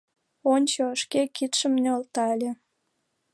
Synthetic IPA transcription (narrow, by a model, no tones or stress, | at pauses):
onʲt͡ɕoəʃkekit̪ʃəmnøolt̪ɑelʲe